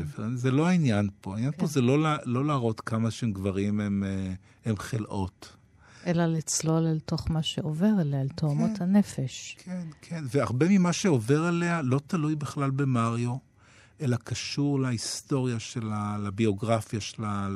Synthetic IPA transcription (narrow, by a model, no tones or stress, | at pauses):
vezelo̞ainjanpo̞ainjanpo̞zelo̞lalo̞laʁo̞t̪kamaʃeemɡvaʁimem | emχelʔo̞t | ʔelalit͡slo̞lalto̞χmaʃeoveʁelealt̪oamothanefeʃkʰenkʰenveaʁbemimaʃeo̞ve̞ʁelealo̞talujbiχlalbe̞maʁjo̞ | ʔelakaʃuʁlaisto̞ʁjaʃelalabio̞ɡʁafjaʃela